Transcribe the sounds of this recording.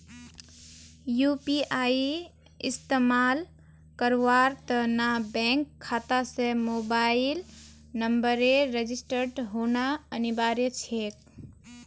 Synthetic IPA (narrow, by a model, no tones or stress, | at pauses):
jupiaːi | ɪst̪emaːl | kəɾʋaːɾt̪ənabɛ̃ːŋkʰːaːt̪asemobaːɪil | nəmbəɾeɾed͡ʒisʈəɾɖɦoːnaənibaːɾjət͡ʃʰeːk